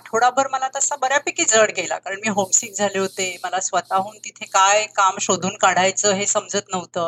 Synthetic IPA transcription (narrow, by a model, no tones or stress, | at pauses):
ʈʰoɽabʱəɾməlat̪əsabəɾjapikid͡zəɽɡela̰kaɾəɳmiːɦomsiːk̚d͡zʱaleɦot̪eməlasʋət̪aɦuːnt̪it̪ʰekajkamɕod̪ʱuːnkaɽ̤ajt͡səːɦesəmd͡zət̪nəʋt̪əː